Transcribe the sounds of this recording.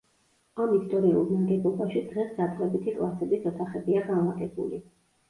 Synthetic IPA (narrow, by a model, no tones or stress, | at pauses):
amist̪ʼɔɾiṵlˠmaɡɛbˠɔbaʃid̪ʁɛsd̪at̪ʰlɛbit̪ʰikʼlˠasɛbisɔt̪ʰaχɛbiaɡanmat̪ʼɛbṵli